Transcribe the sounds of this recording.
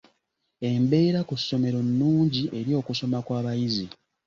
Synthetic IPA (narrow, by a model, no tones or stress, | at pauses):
e̞mbe̞ːɾakusːo̞me̞ɾo̞nːuːɲɟiʔe̞ɾjo̞ːkuso̞makwaːβajizi